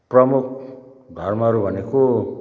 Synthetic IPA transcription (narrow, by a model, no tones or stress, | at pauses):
prʌmuk̚ʰɡ̪ʱʌrmaʌɾubʱʌneko